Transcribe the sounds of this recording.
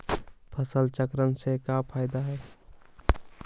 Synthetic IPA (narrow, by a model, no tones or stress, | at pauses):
pʰəsəlt͡ʃəkɾənsekapʰaːɪd̪aɦɛː